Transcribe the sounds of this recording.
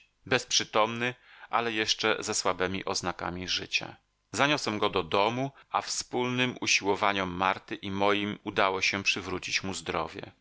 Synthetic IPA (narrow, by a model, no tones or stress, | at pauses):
bɛspʂɘt̪ɔmnɘʔa̰lɛjɛʂt͡ʂɛ̰zɛswabɛmʲḭʔɔznaka̰mʲiʐɘt͡ɕa̰ | zaɲɔswɛmɡɔd̪ɔd̪ɔmuafspulnɘmʔuɕiwɔvaɲɔmːaɾt̪ɘʔimɔjimud̪awɔɕɛpʂɘvɾut͡ɕit͡ɕmuzd̪ɾɔ̰vʲjɛ̰